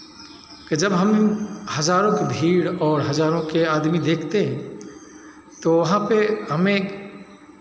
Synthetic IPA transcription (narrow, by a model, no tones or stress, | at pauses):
ked͡ʒɐbɦɐmhɐzaːɾõkebʱiːɽɔːɾɦɐzaːɾõkeaːd̪mid̪eːkʰt̪eɦɛ̃ | t̪oʋɐɦãpeɦɐmẽ